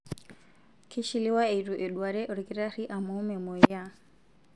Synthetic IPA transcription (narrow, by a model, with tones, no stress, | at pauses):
kʰi˦ʃi˨li˦wa˦eiɾu˨ʔɛɗwaɾɛ˦ʔɔ˨ɾɡi˦ɾa˦ɾi˦ʔa˨mɔ˦mɛ˨mɔ˨ja